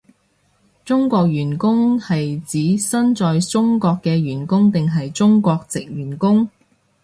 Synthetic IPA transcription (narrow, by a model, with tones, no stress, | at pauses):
t͡sʊ˥ŋkʷɔː˧k̚ɥyː˨˩nkʊ˥ŋhɐ˨jt͡siː˨˥sɐ˥nt͡sɔː˧jt͡sʊ˥ŋkɔː˧kːɛː˧ɥyː˨˩nkʊ˥ŋt̪ɪ˨ŋɦɐ˨jt͡sʊ˥ŋkʷɔː˧k̚t͡sɪ˨k̚jyː˨˩nkʊ˥ŋ